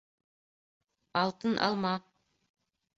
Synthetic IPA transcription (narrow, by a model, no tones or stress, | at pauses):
ɑlˠt̪ənʔɑ̰lˠmɑ